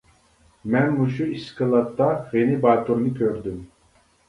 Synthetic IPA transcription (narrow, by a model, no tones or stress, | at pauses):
mɛnmuʃuiskəlat̪ːaɣɛnibaːt̪ʰʼuɾnikʲʰøɾd̪ym